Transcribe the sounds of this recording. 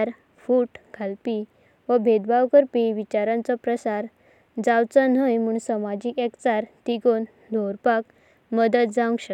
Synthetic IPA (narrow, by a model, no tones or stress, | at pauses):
ɾ | fuːʈɡʱalpi | ʋəbʱed̪bawkəɾpiʋit͡ɕaɾãnt͡sɔpɾəsaɾ | d͡zawt͡san̤əjmuːɳsəmad͡ʑiːkɛkt͡saɾt̪iɡon | d̪ʱoɾpak̚ | məd̪ət̪̚d͡zãŋɡɕə